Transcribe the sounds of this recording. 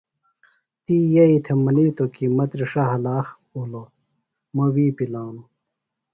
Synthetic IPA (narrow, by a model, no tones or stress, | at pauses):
t̪ijɐit̪ʰemɐniːt̪okimɐt̪ɾiʂaɦɐlaːx | ulo | mɐwiːpilaːnu